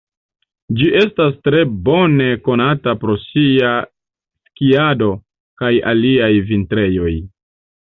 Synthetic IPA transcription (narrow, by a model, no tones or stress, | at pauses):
d͡ʒiʔe̞stas̬tɾe̞bo̞ne̞ko̞natapɾo̞sia | skiado̞ | kaja̰liajvintɾe̞jo̞j